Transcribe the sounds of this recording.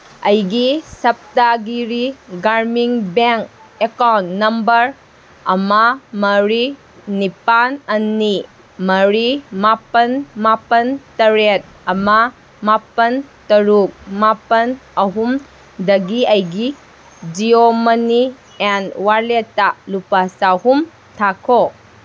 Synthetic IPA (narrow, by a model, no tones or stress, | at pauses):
ɐjɡisɐp̚taɡiɾiɡaɾmiŋbeŋk̚ | ekawntːɐmbɐɾ | ɐmamɐɾi | nipanɐnːi | mɐɾimapɐnmapɐntɐɾet̚ɐma | mapɐntɐɾuk̚mapɐnɐɦum | dɐɡiɐjɡi | d͡ʒiomɐni | enwaɾletːalupasahum | tʰakʰo